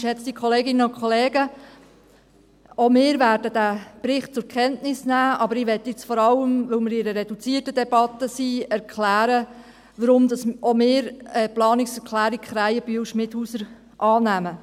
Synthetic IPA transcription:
ʃɛt͡sd̥ikʰɔleːɡɪnənʊkʰχɔleːɡə | ɔmɪːɾvæːɾdəd̥æb̥ɾɪχt̚t͡sʊɾkχɛntnɪsnæːʔɑbəɾɪːʋɛtːjɪt͡sfɔɾɑləmʋɵlmɪɾɪɾəɾɛd̥ut͡siːtədɛb̥ɑt̪əsiːɛɾkʰlæːɾə | ʋəɾʊmdɑsʔɔmɪːɾɛplɑːnɪksɛɾklæːɾikχɾæjəb̥yəwʃmɪthuːsəɾ | ʔɑːnæmə

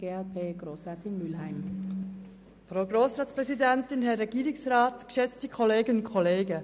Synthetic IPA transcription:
ɡeːɛlpʰeːɡ̥ɾoːsʁɑːtɪnmylhaɪm | fɾaʊɡɾoːsɾɑːtspʁɛzidɛntɪnhɛɾɛɡiːɾɪksɾaːtkʃɛt͡stikʰɔleːɡənʊnkʰɔleːɡə

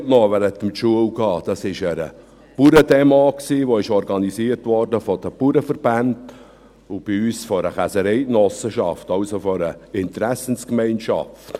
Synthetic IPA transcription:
tnɔʋæɾət̪mtʃuəwɡɑːd̥ɑsɪʃəɾə̰ | puɾədemaksiːʋoɪʃɔɾɡɑnisiəɾtʋɔɾd̥əfɔd̥əpuɾəfəɾb̥ænd | ʊb̥iyːsfɔɾəχæsəɾɛɪnɔsəʃɑ̰ftɑʊsofɔɾəɪnt̪ɾæsənskmɛɪnʃɑ̰ft

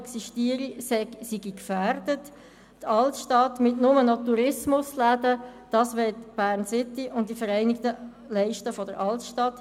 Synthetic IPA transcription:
ɛksiʃtiːəɾissiɡikfærd̥ət | tɑltʃtɑtmɪtnʊmənɔtuɾɪsmʊslædəd̥ɑsʋɛɪtb̥æːɾnsɪtːiʔʊnd̥ifəɾɛɪnɪktə | lɛɪʃtəfɔdəɾɑltʃtɑt

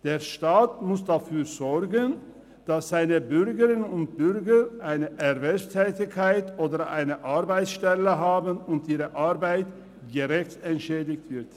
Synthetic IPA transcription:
d̥eːɐʃtaːtmʊsd̥afyːzɔɾɡən | d̥asz̥aɪnəbʏɾɡəʁɪnʊnt̚b̥ʏɾɡəʔaɪnəʔɛʁvɛlstʰɛːtɪçkʰːaɪtʰʔoːdəʔa̰ɪnəʔaʁbaɪtsʃtɛləɦaːbənʊntiːʁəʔaʁbaɪt | ɡ̥əʁɛçtɛntʃɛːdɪçtv̥ɪɐt

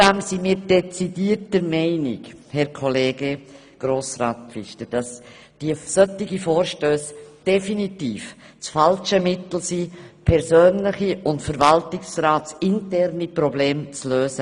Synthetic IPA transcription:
d̥æmsimiːɾd̥ɛt͡sidiːəɾtəɾmɛɪnɪ̰khɛɾkʰɔleːɡe | ɡ̥ɾoːsɾaːtfɪ̰ʃtəd̥ɑs | d̥iəsœtːɪɡifoːɾʃtøːsd̥ɛfinitiːf | t͡sfɑlʃəmɪtl̩sipʰɛɾzøːnlɪχiʔʊntfəɾvɑltɪksɾaːtt͡sɪntɛɾnipɾɔbleːmt͡sløːsə

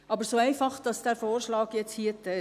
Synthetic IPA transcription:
ɑbəɾsoːæɪfɑχd̥ɑsd̥æːɾfoːrʃlɑːɡjɛt͡shiətɛ

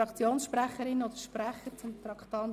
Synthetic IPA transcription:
ɑkt͡sjoːnsʃpɾæχəɾɪnod̪əʃpræχəɾt͡sʊmt̪ɾɑkt̪ɑn

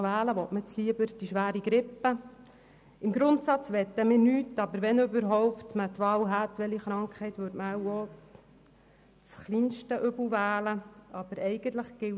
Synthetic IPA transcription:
ʋæːləʋɔtmət͡sliəbəɾd̥iʃʋæːɾiɡɾɪpːə | ɪmɡɾʊnt̪sɑt͡sʋɛt̪ːəmɪːɾnyːtːɑbəɾʋɛnøbəɾɦɔwptmət̪ʋɑːwɦætʋɛliχɾɑŋkχɛɪt̪ʋøɾtməɛwɔ | t͡sχliːnʃtəʔʏbl̩ʋæːləɑb̥əɾɛɪɡ̥ənt̪ləχɡ̥ɪ

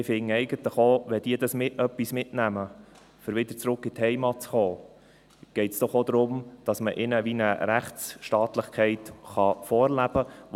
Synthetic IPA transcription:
ɪfɪŋːəɛɪɡət̪ləχoːʋɛd̥iːd̥ɑsmɪtœpːismɪtnæmə | fəɾʋɪd̪əɾt͡sɾʊkːɪt̪hɛɪmɑt̚t͡sχoː | ɡ̥ɛɪtsd̥ɔχod̪ɾʊmd̥ɑsməʔɪnəʋinəɾæχtt͡sʃtɑːt̪ləχkʰɛɪt̪χɑfɔːɾlæb̥ə

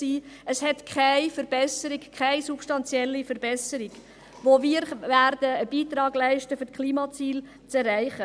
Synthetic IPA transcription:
siːəshɛtkʰaɪfəɾb̥ɛsəɾikkʰχæɪsupʃtɑnt͡sjɛlːifəɾbɛsəɾɪɡ | ʋoviːɾʋæːɾd̥əːb̥iːtɾɑːɡlæɪʃtəfytkʰliːmɑt͡siːl | t͡sɛrːæɪχə

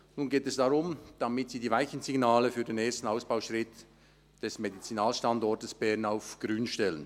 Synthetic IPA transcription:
nuːnɡeːtɛsd̥aʁʊmd̥ɑmɪtsiːdiːvaɪçən̩ziɡnaːləfyːɐdeneːstn̩aʊsb̥aʊʃʁɪt | d̥ɛsmedit͡sinaːlʃtandɔɾtəsb̥ɛnaʊfɡ̥ɾyːnʃtɛlən

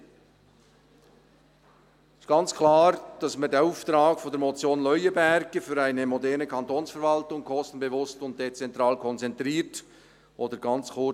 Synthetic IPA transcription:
ɪstɡ̥ɑnt͡skʰlaːɾd̥ɑsmadeuːftɾaːkfɔndɛɾmot͡sjoːnlœʏəbɛɾɡ̥əfyːɾaɪnəmodɛɾnəkʰɑntoːnsfəɾvɑltʊŋkʰɔstn̩bevʊstʊnt̚d̥et͡sɛntɾaːlkʰɔnt͡sɛntɾiːɾt | ʔoːdəɾɡɑnt͡skʊ

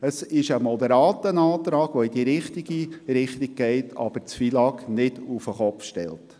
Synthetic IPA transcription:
əsɪʃəmɔd̪əɾɑːt̪ənɑːt̪ɾɑːɡ̥ʋɔid̥iɾɪχtiɡ̥iɾɪχtiɡ̚ɡ̥ɛɪtʰɑ̰b̥əɾt͡sfilɑknɪd̥ufəχɔpfʃtɛ̰lt

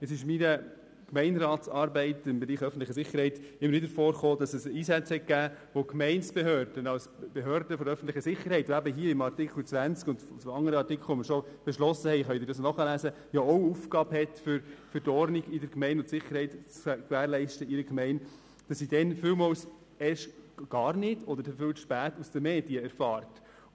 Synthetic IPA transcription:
ɛt͡ssɪʃminə | kmɛɪnɾɑːtsɑːɾbɛɪtɪmbɛɾiːχœfən̩tlɪχəsɪχːəɾhɛɪtɪmːəɾʋɪdəɾfɔːɾχoːdɑsɛsiːsæt͡shɛt̚kæːʋokmɛɪnsb̥ɛɦøːɾd̥ənɑws | b̥eɦøːɾdəfɔɾœfən̩t̪lɪχəsɪχəɾhɛɪtoæbəɦiːəɪmɑɾtɪkʰl̩t͡sʋænt͡skʊndfsɔɑŋːəɾəɑɾtɪkʰlˠɔmɪɾʃɔb̥ɛʃlɔsəhɛɪχœdɪːɾdɑsnɔχəlæsə | jɔɔwufɡɑːbhɛtfʏɾfəɾtɔɾniɡɪdəɾkmɛɪnʊntsɪχːəɾhɛɪtt͡skʋæːɾlɛɪʃtəɪɾəkmɛɪn | d̥ɑsidɛnfʏwmɔls | ɛʃɡ̥ɑːɾnɪdɔdəɾdɛfʏwʃpæːtusd̥̪əmɛːdiəɛɾfɑːɾt

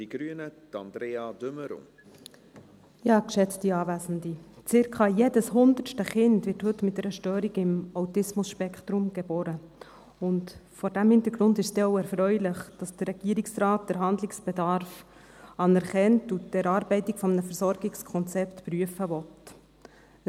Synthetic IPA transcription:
d̥iɡ̥ɾyənət̪ɑ̰nd̥ɾeːɑdʏməɾʊ̰n | jɑːkʃɛt͡stiɑːvæːzən̩dit͡sɪɾkʰɑjeːdəshʊndəɾʃtəχɪntʋɪrthɵtːmɪt̚dɛɾəʃtøːɾiɡɪmawtɪsmʊsʃpɛkχt̪ɾʊmɡ̥ebɔːɾə | ʊntfɔɾdæmhɪnt̪əɾɡɾʊndɪʃsd̥̪ɛoʊɛɾfɾœʏlɪχd̥ɑsd̥ərːɛɡ̥iəɾɪksɾɑːt̚d̥əɾɦɑnd̪lɪksb̥edɑɾf | ɑnɛɾχɛntudɛɾɑːɾbɛɪtɪkfɔmənəfɛɾsɔɾɡɪkskʰɔnt͡sɛptpɾyəfəʋɔt

